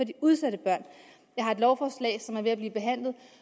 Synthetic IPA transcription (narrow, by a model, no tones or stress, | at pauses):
ɒ̽d̥iuðˠsæd̥əb̥ɶɐ̰n | jɑ̈hɑ̈e̝d̥lɒʊfɒːslɛ̰ɪsɒ̽mæɐʋe̝æb̥liːb̥e̝ɦæn̰lð̞̩ˠ